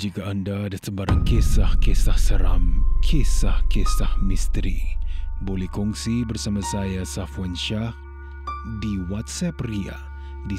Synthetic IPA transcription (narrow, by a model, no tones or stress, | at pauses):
d͡ʒikaːndaːdasəbaɾaŋkesahkesahsəɾa̰mkʰesahkesahmist̪ɾibolɛhkɔŋsibərsamãsajasafwanʃah | diwat̪̚sɛpria̰ | di